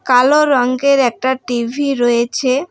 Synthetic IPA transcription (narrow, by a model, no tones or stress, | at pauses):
kaloɾɔŋɡeɾɛk̚ʈaʈibʱiɾɔjet͡ɕʰe